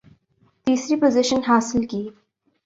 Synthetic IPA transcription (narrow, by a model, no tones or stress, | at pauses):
t̪iːsɾipozɪʃənɦaːsɪlkiː